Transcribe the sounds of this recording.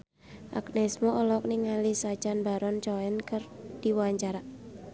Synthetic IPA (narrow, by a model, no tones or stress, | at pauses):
ʔa̰knɛsmoʔɔlɔk̚niŋalisad͡ʒanbaɾɔnt͡ʃɔɛnkɨrd̥iwuaɲt͡ʃaɾa